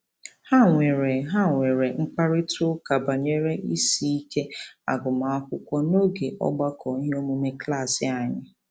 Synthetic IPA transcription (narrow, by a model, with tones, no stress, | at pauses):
ha˦˨ŋʷe˨ɾe˨ɦa˦˨ŋʷe˨ɾe˨ŋ͡m̩˦k͡pa˦ɾɪ˦tʰʊ˦ka˨ba˨ɲe˦ɾe˦ʔi˦si˦i˦ke˦a̰˨ɡʊ˨ma˨˦kʷʊ˦kʷɔ˦no˦ɡe˨ʔɔ̰˦ɡ͡ba˦kɔ˨˦ɦo˦mu˦me˦kla˦˨sɪ˨a˨ɲɪ˦